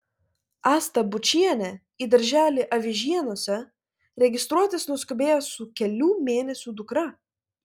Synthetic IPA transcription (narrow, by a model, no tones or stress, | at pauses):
ɑːst̪ɐbʊt͡ʃʲiɛnʲɛ | iːd̪ɐɾʲʒʲæːlʲiʔɐʋʲɪʒʲiɛnuɔsʲɛ | ɾʲɛɡʲɪst̪ɾuɔt̪ʲɪsnʊskʊbʲeːjɛsʊkʲɛlʲuːmʲeːnʲɛsʲuːd̪ʊkɾɐ